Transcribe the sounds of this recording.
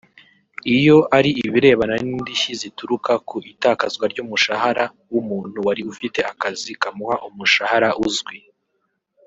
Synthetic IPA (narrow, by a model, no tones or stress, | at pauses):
ijo̞ʔaɾiiβiɾe̞ːβananiːndiʃizituɾukakuʔitaːkazɡwaɾɟuːmuʃaɦaɾa | wumuːn̥huwaɾiufite̞akazikamuhaʔumuʃahaɾaʔuzɡwi